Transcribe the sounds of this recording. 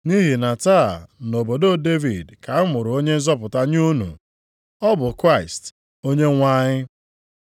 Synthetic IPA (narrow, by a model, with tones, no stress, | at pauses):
ni˦ɦi˨na˨taː˦˨no˨bo˨do˦˨de˦vi˨dka˨˦mʊ˨ɾʊ˨o˦ɲe˦n̩˦zɔ˦pʊ˨ta˦ɲ˦u˦nṵ˨ | ɔ˦bʊ˨kɾa˦˨ɪ˨st | o˦ɲe˦ŋʷa˦ɲɪ˦